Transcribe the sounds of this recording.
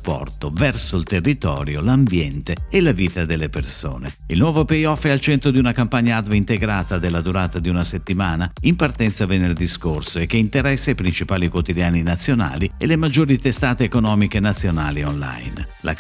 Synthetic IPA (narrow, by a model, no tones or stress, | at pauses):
pːɔ̰rt̪ovɛrsoilt̪erːit̪ɔ̰ːɾjolambjɛnt̪eelaviːt̪ad̪elːeperso̰ːne | ilnwɔːvopejɔfealt͡ʃɛnt̪ɾod̪iunakampaɲːaad̪veint̪eɡɾaːt̪ad̪elːad̪uɾaːt̪ad̪iunaset̪ːimaːnaimpart̪ɛnt̪savenerd̪iskorsoek̟ːeint̪eɾɛsːajpɾint͡ʃipaːlikwot̪id̪jaːninat̪sːjona̰ːlielemad͡ʒːoːɾit̪est̪aːt̪eːkonɔːmikenat̪sːjonaːlionla̰jnlʔa̰